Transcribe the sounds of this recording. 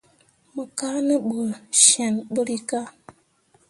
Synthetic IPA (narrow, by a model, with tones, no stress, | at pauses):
mə˨ka˦nə˦bu˨ʃɛ˨nbə˦ɾi˦ka˦